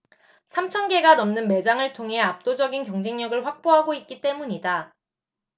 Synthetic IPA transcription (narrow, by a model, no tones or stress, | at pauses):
sʰamt͡ɕʰʌnɡe̞ɡanʌmnɯnme̞d͡ʑaŋɯɭtʰoŋɦe̞ap̚t͈od͡ʑʌɡinkjʌŋd͡ʑe̞ŋɲʌɡɯɭɸwak̚p͈oɦaɡoitk̚k͈it͈e̞muɲida